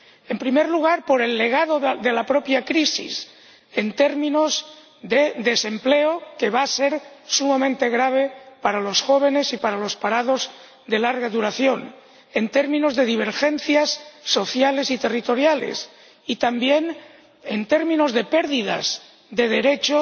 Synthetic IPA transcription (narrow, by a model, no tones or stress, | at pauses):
e̞mpɾimeɾluɣ̞aɾpo̞ɾe̞lːe̞ɣ̞aðoðe̞lapɾo̞pjakɾisḭs | ent̪e̞ɾmĩnoz | ðe̞ðe̞se̞mple̞oke̞βase̞ɾsumamẽnt̪e̞ɣɾaβ̞e̞paɾalo̞sxo̞β̞e̞ne̞sipaɾalo̞spaɾað̞o̞z | ðe̞laɾɣaðuɾaθjo̞n | e̞nt̪e̞ɾmĩno̞zðe̞ðiβ̞e̞ɾxe̞n̟θjasːo̞θjale̞sit̪e̞rit̪o̞ɾjalḛs | it̪ambje̞n | ent̪e̞ɾmĩno̞zðe̞pe̞ɾðiða̰z | ðe̞ð̞e̞ɾe̞t͡ʃo